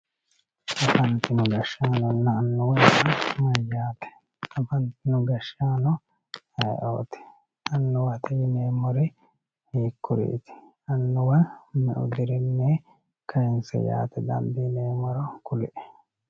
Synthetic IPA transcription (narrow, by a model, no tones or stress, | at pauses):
tɐfɐnt̪ɪnʊɡɐʃaːnɔnːɐːnːʊwɔnsɐmɐjːaːt̪ɛ̥ | k̪ɐfɐnt̪ɪnʊɡɐʃaːnɔ | hɐjʔo̰ːt̪ɪ̥ | ʔɐnːʊwɐt̪ɛjɪneːmɔɾɛ | hiːkːʊɾḭːt̪ɪ̥ | ɐnːʊwɐnmɛʔʊ̰d̪ɪɾɪnːɛ | kʰɐjɪnsɛ̰ja̰ːt̪ɛd̪ɐ̰nd̪iːneːmɔɾɔkʊlɪʔɛ̥